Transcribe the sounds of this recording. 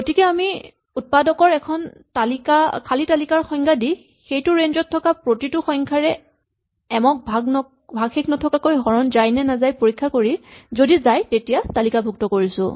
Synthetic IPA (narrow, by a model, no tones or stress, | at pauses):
ɡotikɛami | ut̚padɔkɔɹɛkʰɔntalikakʰalitalikaɹxɔjŋkʰadi | xejtʊɹenzɔtʰːɔkapɹotitʊxɔŋkʰaɹɛ | ɛmɔk̚bʱaɡnɔ | bʱaɡxekʰnɔtʰɔkakojɦɔɹɔnzajnɛnazajpoɹikʰːakoɹizodizajtetijatalikabʱuk̚tɔkoɹisʊ̰̃